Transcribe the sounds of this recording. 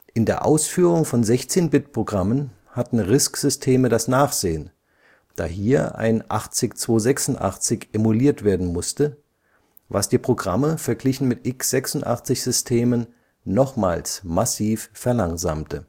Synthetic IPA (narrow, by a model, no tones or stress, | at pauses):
ʔɪndeːɐʔa̰ʊsfyːʁʊŋfɔnzɛçt͡seːnbɪt̚pʁ̥oɡʁamən | hatn̩ʁɪskz̥ʏstʰeːmədasnaːχz̥eːən | d̥a̰ːɦiːɐʔa̰ɪnʔa̰χt͡sɪçt͡sv̥oːzɛksʊntʔa̰χt͡sɪçʔemuliːɐtv̥eːɐdn̩mʊstə | va̰sd̥iːpʁ̥oɡʁaməfɛɐɡlɪçn̩mɪtʔɪksz̥ɛksʊntʔa̰χt͡sɪçz̥ʏstʰeːmənː | ɔχma̰ːlsmasiːffɛɐlaŋza̰ːmtʰə